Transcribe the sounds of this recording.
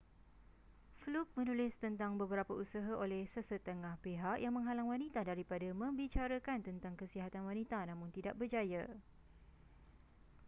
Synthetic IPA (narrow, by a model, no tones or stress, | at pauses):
fluk̚mənulɪst̪ənt̪aŋbəbəɾapausaɦaʔolɛhsəsət̪əŋahpeɦaʔjaŋmə̃ŋɦalaŋwanĩt̪adaɾipadamə̃mbit͡ʃaɾəkant̪ənt̪aŋkəsiɦat̪anwanĩt̪anãmʊ̃nt̪idaʔ̚bərd͡ʒaja